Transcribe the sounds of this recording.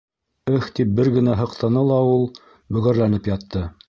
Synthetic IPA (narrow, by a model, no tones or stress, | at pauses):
ɘxt̪ip̚bɘɾɡɘ̆næɦɤ̆qt̪ɤ̆nɤlˠɑulˠ | bɵ̆ɣæɾlænɘpjɑt̪ːɤ